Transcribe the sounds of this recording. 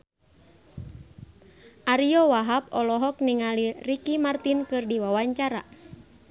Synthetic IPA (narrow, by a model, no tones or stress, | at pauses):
ʔaɾiɔwaɦap̚ɔlɔɦɔk̚niŋalirikimart̪inkɨrdiwawaɲt͡ʃaɾa